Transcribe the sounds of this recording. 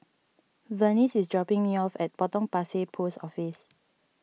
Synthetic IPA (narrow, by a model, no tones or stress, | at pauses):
vənisisdɹɔpĩŋmiɔfɛt̚b̥ɔtɔ̃ŋpasepʰosɔfis